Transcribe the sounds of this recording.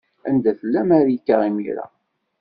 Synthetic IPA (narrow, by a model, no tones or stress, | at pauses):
ænd̪æfəlːæmaɾjikːaʁimḭɾa̰